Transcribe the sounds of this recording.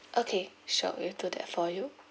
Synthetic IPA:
ʔokʰe | ʃɔ̰ʔidud̪ɛ̰tfɔju

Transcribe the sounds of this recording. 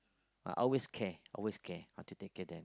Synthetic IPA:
a̰ʔɔlweskʰɛʔɔ̰lweskʰɛhaʊtʰutekɛdɛ̃n

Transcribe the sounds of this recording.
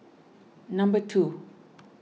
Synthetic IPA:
nambət̪ʰu

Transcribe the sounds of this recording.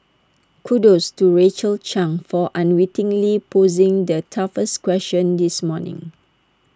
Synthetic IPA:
kʰudostuɹet͡ʃəlt͡ʃãŋfɔʔãnwitɪ̃ŋlipʰozĩŋdətʰafəskwɛst͡ʃə̃ndismɔnɪ̰̃ŋ

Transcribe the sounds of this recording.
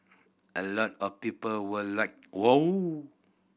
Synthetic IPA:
ʔəlɔtɔfpipəlwəlak̚wow

